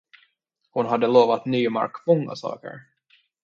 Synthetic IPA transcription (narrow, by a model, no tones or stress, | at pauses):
hʊnɦad̪ːəloːvat̪nyːma̰ɾkmɔŋːa̰sɑ̰ːkə̰ɾ